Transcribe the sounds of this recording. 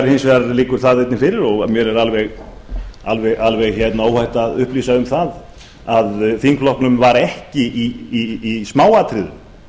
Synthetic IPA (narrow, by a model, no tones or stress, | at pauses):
ɛɾhensvɛaɾliːkʏɾ̥θaðejt̪nɪfɪɾɪɾɔɣmjɛɾɛɾalvɛɣ | a̰lvɛɣʔalvɛɣçɛt̪naoːwhajht̪aːðʏhpliːsaʏmθað | aðθiŋkflɔhknʏmvaɾɛhcɪʔiiːsmaːwat̪ʰɾɪðʏ̰m